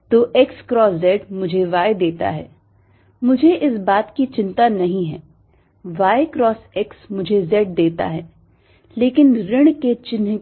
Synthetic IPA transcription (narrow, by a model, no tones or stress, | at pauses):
t̪oːʔɛkskɾɔːszɛːɖmʊd͡ʒʱeʋaːed̪eːt̪a̰ɦɛ̰ː | mʊd͡ʒʱeʔɪsbaːt̪kit͡ʃɪ̃nt̪anɐɦĩɦɛː | ʋaːekɾɔːsɛksmʊd͡ʒʱezɛːʈ̚d̪eːt̪a̰ɦɛː | leːkɪnɾɪɽ̃ket͡ʃɪn